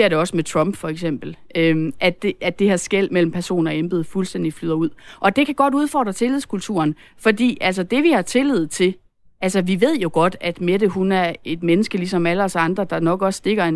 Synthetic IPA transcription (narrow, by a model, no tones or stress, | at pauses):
eɐɾe̝ɒ̽səmet͡sʰʁɒ̽mb̥fɒ̽eɡ̥sem̰b̥l̩ | øʔæd̥eːdd̥e̝hɑsɡ̥el̰mel̰m̩pʰæɐso̝̰ːnɒ̽emb̥eð̩ˠfulsd̥end̥iflyðˠɐuð̰ˠʔɒ̽d̥e̝kʰæɡ̥ɒ̽ɾuð̞ˠfɒ̰ːd̥ʁɐt͡sʰe̝liðˠskʰult͡sʰṵːɐn | fɒ̽dḭːʔæl̰sɐd̥e̝ʋihɑ̈t͡sʰe̝lið̞̰ˠt͡sʰe̝l | ælsəʋiʋe̝ð̞̰ˠjo̝ɡ̥ɒ̽d̥æd̥med̥əɦunæɐe̝d̥menəsɡ̥əlisɒ̽mæləɒsɑ̈nd̥ʁɐd̥ɑ̈nɒ̽ɡ̥ɒ̽sːd̥e̝ɡ̥ɐe